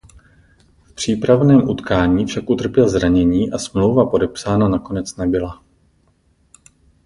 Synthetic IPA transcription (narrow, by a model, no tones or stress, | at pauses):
fpr̝̥iːpɾavnɛːmʔut̪kaːɲiːfʃakʔut̪r̩pjɛlzɾaɲɛɲiːʔasmlo̞wvapo̞dɛpsaːnanako̞nɛt͡snɛbɪla